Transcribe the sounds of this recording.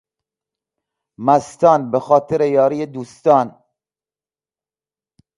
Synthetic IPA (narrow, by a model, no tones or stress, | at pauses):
mæst̪ɒːnbexɒːt̪ʰeɾejɒːɾiːjed̪uːst̪ɒːn